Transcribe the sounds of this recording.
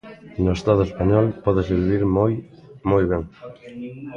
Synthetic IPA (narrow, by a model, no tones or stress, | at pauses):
noest̪aðʊespaɲɔlpɔðɪsiββiɾj | mojβɛŋ